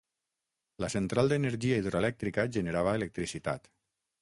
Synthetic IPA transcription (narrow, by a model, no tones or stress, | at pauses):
ləsənt̪ɾalˠd̪ənəɾʒiaiðɾoelɛk̚t̪ɾikəʒənəɾaβəelək̚t̪ɾisit̪a̰t̪